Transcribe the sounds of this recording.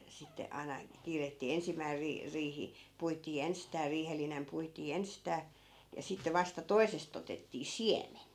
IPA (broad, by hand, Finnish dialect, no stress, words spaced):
sitːe ɑi̯nɑ kiːretːiː ensimːæi riː riːhi puitiː enstæː riːhelːinem puitiː enstæː jɑ sitːe ʋɑstɑ toisest otetːiː siemen